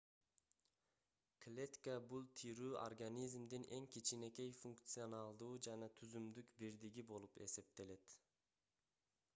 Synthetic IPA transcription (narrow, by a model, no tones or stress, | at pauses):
klʲet̪kabulˠt̪ʰiɾyːʔo̰rɡanʲizmd̪inʔe̞ŋkʲit͡ʃine̞ke̞jfuŋkt̪sɨonalˠd̪uːd͡ʒɑnɑt̪ʰyzymd̪ykbiɾd̪iɡʲibo̞lˠupe̞̰se̞p̚t̪e̞le̞t̪